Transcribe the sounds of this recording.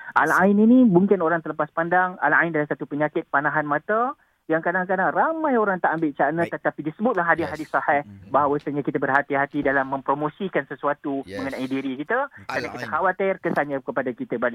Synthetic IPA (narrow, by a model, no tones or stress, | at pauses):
ʔa̰laininĩbuŋkɪnoɾaŋt̪ələpaspandaŋa̰la̰indalasat̪upəɲakɪt̪̚panãɦanmãt̪a | jaŋkadaŋkadaŋramãjoɾaŋt̪aʔambɪlt͡ʃanət̪ət̪apidisəbʊt̪̚laɦːadiɦadisɑhɛhbaɦawəsəɲãkit̪əbərɦat̪iɦat̪idalamːə̃mpɾomõsikansəsuat̪umə̃ŋanaidiɾikit̪əkɾanakit̪əxawat̪ɪrkəsaɲakəpadakit̪əbalɪ